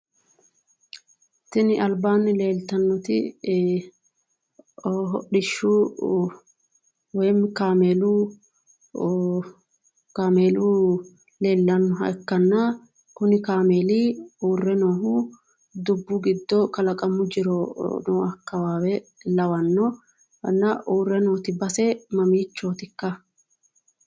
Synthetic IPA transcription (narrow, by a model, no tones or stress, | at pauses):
t̪ɪnɪʔɐlbaːnːɪle̞ːlt̪ɐnːɔt̪ɪ̰ | ɦɔ̰ɗɪʃːu | wɛːmkaːmeːluː | kaːmeːlu | le̞ːlːɐnːɔɦɐ̰kːɐnːɐ | kʊnɪkaːmeːliuːrːɛnoːhʊ | d̪ʊbːʊɡɪd̪ːɔkɐlɐkʼɐmːʊd͡ʒɪɾɔnoːɐkːɐwaːwɛlɐwɐnːɔ | ɐnːɐʔuːrːɛnoːt̪ɪbɐsɛmɐmiːt͡ʃːoːt̪ɪkːɐ